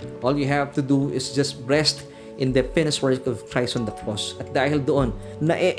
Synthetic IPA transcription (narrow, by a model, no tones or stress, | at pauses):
ʔɔljuɦavt̪ud̪uɪsd͡ʒɐs̚bɹɛst̪ | ʔɪ̃nd̪əfɪnɪswɛ˞kɔv̥tʰɹajsɔ̃nd̪ɐkʰɔsɐt̪̚d̪ahɪld̪oʔõnː | ɐʔɛʔ